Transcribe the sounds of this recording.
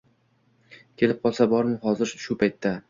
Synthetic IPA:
kʲʰe̞lɪp̚qʰɒlˠsabɒɾɪhɒzɪɾʃʊpʰajt̪ʰːa

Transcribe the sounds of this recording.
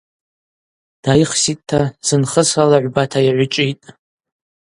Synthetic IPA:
d̥ajχsitʼtʰːaz̥ɨnχəsalaʕʷbatʰajaʕʷʊt͡ʃʼitʼ

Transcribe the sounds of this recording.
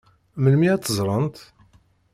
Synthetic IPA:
məlmiæt̪ːəzˤɾˤənt̪

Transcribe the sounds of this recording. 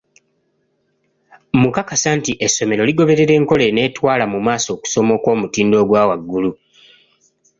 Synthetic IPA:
mukakasantiʔe̞sːo̞me̞ɾo̞liɡo̞βe̞ɾe̞ɾe̞ːŋko̞le̞ne̞ːtwaːlamumaːso̞ːku̥so̞mo̞kwo̞ːmutiːndo̞ːɡwaːwaɡːulu

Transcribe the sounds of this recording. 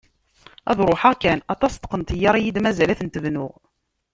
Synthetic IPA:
ɑ̰ðˤɾˤoħæʁkænɑt̪ˤɑst̪ə̥qənt̪ijːɑɾˤijid̪mæzælæθənt̪əvnʊʁ

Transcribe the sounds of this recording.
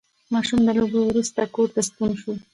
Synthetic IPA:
mɑʃumd̪əlobowɾust̪akoɾt̪ast̪unʃu

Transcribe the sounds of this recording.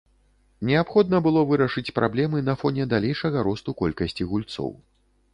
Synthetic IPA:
nʲɛapxɔd̪nɐbɨlˠɔvɨɾɐʂɨt͡sʲpɾʔablʲɛmɨnɐfɔnʲɛd̪alʲɛjʂɐɣɐɾɔst̪ukɔlʲkɐsʲt͡sʲiɣulʲt̪sɔ̰w

